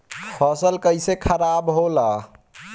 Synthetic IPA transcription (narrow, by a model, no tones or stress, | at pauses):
xʰɔsəlkəɪsekʰəɾabɦola